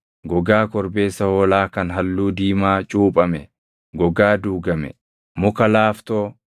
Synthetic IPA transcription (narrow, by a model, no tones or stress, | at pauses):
ɡɔɡaːkɔɾbe̞ːsːɐhoːlaːkɐnɦɐlːuːd̪iːmaːt͡ʃʼuːpʼɐmɛ | ɡɔɡaːd̪uːɡɐmɛ̰ | mʊkɐlaːft̪oː